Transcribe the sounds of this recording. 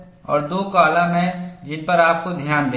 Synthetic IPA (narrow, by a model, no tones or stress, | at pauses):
ɔ̰ːɾd̪oːkaːlamẽd͡ʒɪnpɐɾaːp̚kod̪ʱjaːnd̪eː